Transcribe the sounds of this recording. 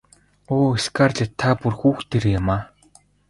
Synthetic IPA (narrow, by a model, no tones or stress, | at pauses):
oːiskart͡ɕat̪ʰapurxuːxt̪eɾĕjamaː